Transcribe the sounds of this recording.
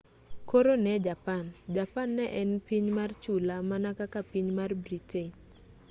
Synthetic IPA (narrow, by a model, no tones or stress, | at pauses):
koɾonɛd͡ʒapand͡ʒapanːɛʔɛnpiɲmart͡ʃulamanakakapiɲmarbriteɲ